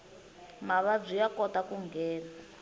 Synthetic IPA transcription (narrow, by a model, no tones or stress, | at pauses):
maβab͡ʐʷijakɔtakuŋɡɛːna